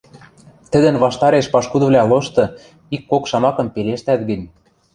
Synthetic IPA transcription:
t̪ə̆d̪ə̆nβɑʃt̪ɑɾeʃpɑʃkud̪ɤ̆βlʲæloʃt̪ɤ̆ | ikːokʃɑmɑkɤ̆mpeleʃt̪æt̪̚ɡə̆nʲ

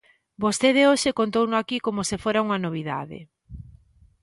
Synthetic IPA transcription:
bost̪eð̞eoʃekont̪̬ownʊakikomosefoɾauŋɐnoβ̞iða̰ðḛ

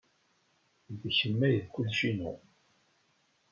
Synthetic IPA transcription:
ðçəmːæjðkːuðʃinṵ

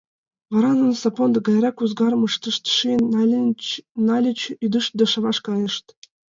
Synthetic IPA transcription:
vɑɾɑnɤ̆nsɑpond̪ɤ̆ɡɑjɾɑkuzɡɑrmɯʂt̪ɤʃt̪ʃi | nɑlʲit͡ɕyd̪ɯʃt̪d̪ɤ̆ʂɤ̆ʋɑʂkɑjɤ̆ʂt̪

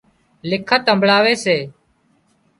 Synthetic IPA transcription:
lɪkʰət̪ə̃mbʱɭaːʋeːseː

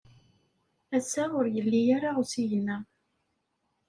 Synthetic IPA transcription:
æsːaʊɾjəlːijaɾaʊsijənæ

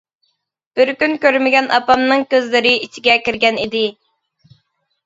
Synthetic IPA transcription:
b̥ɪɾkʲynkʲøɾmɪɡʲɛnʔɑ̰pɑmnɨŋkʲøzlɪɾɪit͡ʃʰiɡʲɛkʲiɾɡʲɛnid̪ɪ

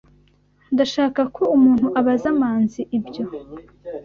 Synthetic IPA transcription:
ndaʃaːkakʰoumuːnhuʔaβazamaːnziʔibɟo̞

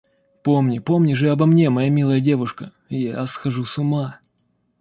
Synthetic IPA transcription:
pomnʲɪpomnʲɪʐɨɐbɐmnʲe̞mɐjamʲilˠəjədʲe̞vʊʂkə | jasxɐʐusʊma

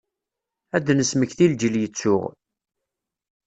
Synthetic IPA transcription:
æd̪nəsməçθild͡ʒəljət͡sːʊ̰ʁ

